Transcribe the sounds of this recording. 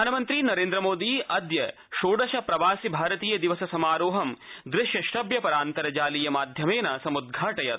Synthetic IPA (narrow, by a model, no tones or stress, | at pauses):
aːnɐmɐnt̪ɾinɐɾeːnd̪ɾɐmoːd̪iʔɐd̪jɐ | ʃoːɖɐʃɐpɾɐʋaːsibʱaːɾɐt̪iːjɐd̪iʋɐsɐsɐmaːɾoːɦɐmd̪ɾɪʃjɐʃʈɐbjɐpɐɾaːnt̪ɐɾɐd͡ʒaːlijɐmaːd̪ʱjɐmeːnɐsɐmud̪̚ɡʱaːʈɐjɐt̪